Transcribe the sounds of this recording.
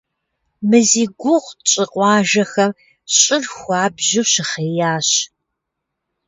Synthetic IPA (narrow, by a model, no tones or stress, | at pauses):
mɨziːɡʷʊʁʷt͡ʃʼɪqʷɑːʒɐxɐm | ɕʼɪrxʷɑːbʑɪɕɪχeːjaːɕ